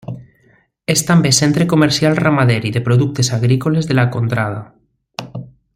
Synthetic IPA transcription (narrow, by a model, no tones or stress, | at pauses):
est̪ambesent̪ɾekomeɾsjalramaðeɾiðepɾoðuk̚t̪esaɣ̞ɾikolezðelakont̪ɾað̞a